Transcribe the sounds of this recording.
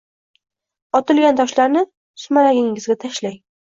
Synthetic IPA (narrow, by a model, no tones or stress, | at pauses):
ɒt̪ɪlɡʲant̪ʰɒʃlaɾnɪ | ʊ̥smaɾaɡʲɪŋːɪzɡʲat̪ʰaʃlaj